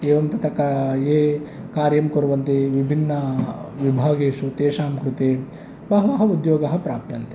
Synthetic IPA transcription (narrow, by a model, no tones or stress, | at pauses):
eːʋɐmt̪ɐt̪ɾɐkaeː | kaːɾjɐmkoɾuʋɐnt̪eːʋibʱinːɐʋibʱaːɡeːʃut̪eːʃaːmkɾut̪eː | bɐɦɐʋaːɦɐud̪joːɡɐɦɐpɾaːpjɐnt̪e̥